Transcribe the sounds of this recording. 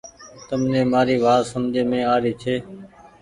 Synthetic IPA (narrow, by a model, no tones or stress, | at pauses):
t̪əmnẽːmaːɾiːʋaːt̪səmd͡ʒʱeːmẽːaːɾiːt͡ʃʰeː